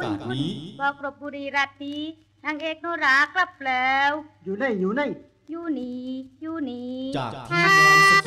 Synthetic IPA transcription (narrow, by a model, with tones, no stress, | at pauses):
nkʰu˧˩nbɔː˧˦kɾo˧˩p̚buː˧ɾiː˧˩ɾa˧˩t̪̚ʰːiː˧˦ | naː˧ŋʔeː˧˩k̚noː˧ɾaː˨˧˦kla˧˩p̚lɛː˨˦wjuː˨˩na˧˥˩jjuː˨˦na˧˩j | juː˧˩niː˨˦juː˧˩niː˨˦aː˧